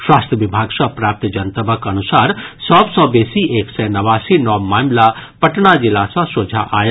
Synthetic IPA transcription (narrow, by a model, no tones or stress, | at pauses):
ʃwaːst̪ʰjəʋɪbʱaːɡsɔ̃pɾaːp̚t̪d͡ʒɐnt̪əbəkɐnusaːɾsɔbsɔ̃beːsieːksɛnɐʋaːsinɔmaːmlapəʈnad͡ʒɪlasɔ̃soːd͡ʒʱa̰ʔaːj